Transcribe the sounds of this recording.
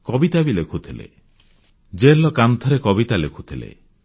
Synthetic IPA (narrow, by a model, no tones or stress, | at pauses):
kɔbit̪abilekʰut̪ʰilḛ | d͡ʒelɔkant̪ʰɔɾekɔbit̪alekʰu̥t̪ʰilḛ